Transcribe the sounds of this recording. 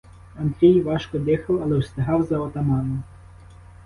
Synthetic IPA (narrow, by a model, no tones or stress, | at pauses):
ɐnd̪ɾʲijʋɑʃkɔd̪ɪxɐwɐlˠɛwst̪ɪɦɑwzɐɔt̪ɐmɑnɔ